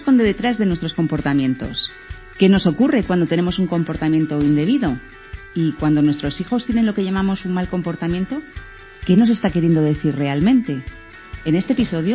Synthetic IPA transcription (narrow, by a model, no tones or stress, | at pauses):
sko̞nd̪e̞ðet̪ɾazðe̞nwe̞st̪ɾo̞sko̞mpo̞ɾt̪amjẽ̞nt̪o̞̰s | ke̞no̞so̞kure̞kwand̪o̞t̪e̞ne̞mo̞suŋko̞mpo̞ɾt̪amjẽ̞nt̪o̞ind̪e̞β̞iðo̞ | ikwand̪o̞nwe̞st̪ɾo̞sixo̞st̪je̞ne̞nlo̞ke̞ʝamamo̞suŋmalko̞mpo̞ɾt̪amjent̪o̞ | ke̞no̞s̬e̞st̪ake̞ɾje̞nd̪o̞ðe̞θirre̞almẽnt̪e̞ː | ne̞st̪episo̞ðjo